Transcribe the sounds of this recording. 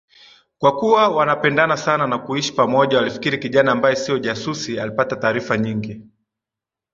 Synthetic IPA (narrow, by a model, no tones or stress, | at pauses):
kwakuwawanapɛndanasananakuiʃi̥pamɔʄawalifi̥kiɾikiʄanaːmbajɛsiɔʄasusialipatataːɾifaɲiŋɡi